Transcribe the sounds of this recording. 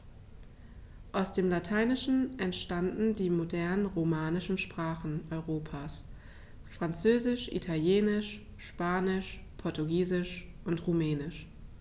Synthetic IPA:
ʔaʊsd̥eːmlatʰaɪnɪʃn̩ʔɛntʃtandn̩diːmodɛɐnənʁomaːnɪʃn̩ʃpʁ̥aːχn̩ʔɔʏʁoːpʰaːs | fʁ̥ant͡søːzɪʃʔḭtʰaljeːnɪʃ | ʃpaːnɪʃ | pʰɔɐtuɡiːzɪʃʔʊntʁumɛːnɪʃ

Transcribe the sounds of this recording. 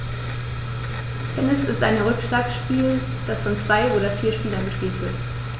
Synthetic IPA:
d̥ɛnɛsɪstʔa̰ɪnʁʏkʃlaːksʃpiːl | d̥asfɔnt͡sv̥aɪʔoːɾɐfiːɐʃpiːlɐnbəʃkeːtv̥ɪt

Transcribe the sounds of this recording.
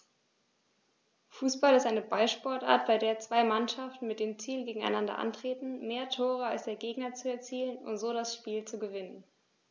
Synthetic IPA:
fuːsb̥alɪstaɪnəbaɪlʃpɔɐtʔa̰ːɐt̚b̥aɪdeːɐt͡sv̥aɪmanʃaftn̩mɪt̚d̥eːmt͡siːlɡeːɡŋ̩a̰ɪnandɐ̰ʔa̰ntʁ̥eːtn̩meːɐtʰoːʁ̞əalsd̥eːɐɡeːɡnɐt͡suɛɐt͡siːlənʊ̰ntz̥oːɾasʃpiːlt͡suɡəvɪnən

